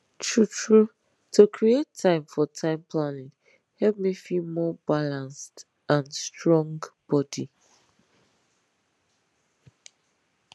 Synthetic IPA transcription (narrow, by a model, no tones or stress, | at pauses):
tʰɹutɹu | tʰukʰɹietʰːãɪ̃mfɔtʰãɪ̃mpʰlanɪ̃ŋ | hɛlp̚mifimɔbalãnst | ãnstɹɔ̃ŋɡb̥ɔdi